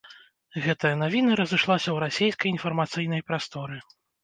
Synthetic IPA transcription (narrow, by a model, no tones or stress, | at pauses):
ɣɛt̪ɐjɐnavʲinɐɾɐzɨʂlˠasʲɐwɾasʲejskɐjinfɐrmat̪sɨjn̪ɐjpɾast̪ɔɾɨ